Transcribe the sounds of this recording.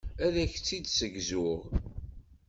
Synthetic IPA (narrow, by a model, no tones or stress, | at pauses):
æɾæçt͡sːid̪səɡzʊʁ